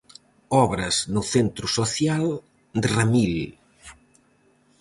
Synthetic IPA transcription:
ɔβɾɐznuθent̪ɾusoθjal | d̪ramil

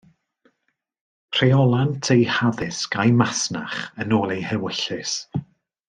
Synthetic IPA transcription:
r̥ejɔlˠantʰejhaðɪskajmasna̰χənoːlˠejhɛwɪɬɨs

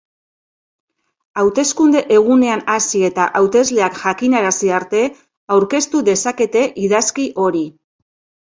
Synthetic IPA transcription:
awt̪e̞skund̪e̞ʔe̞ɣ̞une̞anasie̞t̪aʔawt̪e̞zle̞akʝakinaɾasiaɾt̪e̞ | awɾke̞st̪uðe̞sake̞t̪e̞ʔiðaskiʔo̞ɾi

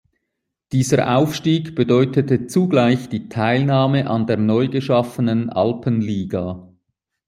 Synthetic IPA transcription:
d̥iːzəʔa̰ʊfʃtiːɡb̥ədɔʏtətət͡suɡlaɪçd̥iːtʰaɪlnaːməʔɑndeːɐnɔʏɡəʃɑfənənʔɑ̰lpənliːɡaː

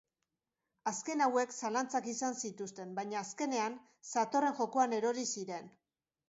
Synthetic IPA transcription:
aske̞nawe̞ksalant͡sakisansit̪ust̪e̞mbajɲaːske̞ne̞an | sat̪o̞re̞ŋʝo̞ko̞ane̞ɾo̞ɾisiɾe̞n

